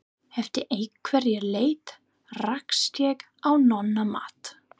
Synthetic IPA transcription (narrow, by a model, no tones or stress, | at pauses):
hɛft̪ɪʔejkʰvɛɾjɛɾleːjt̪ | rakst̪jɛk | awnɔnːama̰ːt̪